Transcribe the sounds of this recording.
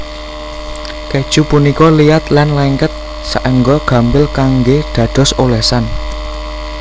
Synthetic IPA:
ked̥ʒ̥ṳpunikɔlijat̪lanlɛŋkət̪̚ | saʔəŋɡɔɡ̥a̤mbɪlkaŋɡeɖ̪̥ä̤d̪̥ɔ̤solɛsan

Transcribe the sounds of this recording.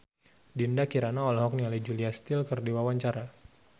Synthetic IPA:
dindakiɾanaɔlaɦɔk̚nialad͡ʒuliast̪ɪlkɨrdiwawaɲt͡ʃaɾa

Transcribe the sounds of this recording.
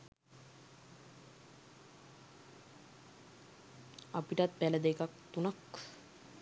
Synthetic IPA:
apiʈat̪̚bæləd̪ekakt̪unak

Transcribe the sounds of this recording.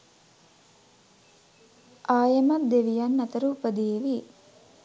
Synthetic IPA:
ʔaːjɐmɐd̪eʋijɐnːɐt̪əɾuːpəd̪iːʋi

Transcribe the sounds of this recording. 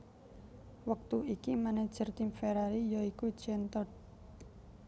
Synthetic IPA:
wək̚t̪uikimaned̥ʒ̥ərt̪imfeɾaɾijɔikud̥ʒ̥ɛnt̪ɔt̚

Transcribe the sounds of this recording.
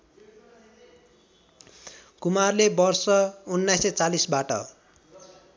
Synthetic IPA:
kumarlebʌrsʌunːajset͡salisbaʈʌ̰

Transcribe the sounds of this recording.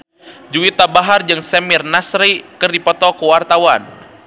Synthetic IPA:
d͡ʒuwit̪abaɦard͡ʒɨŋsɛmirnasɾikɨrdipɔt̪ɔkuwart̪awan

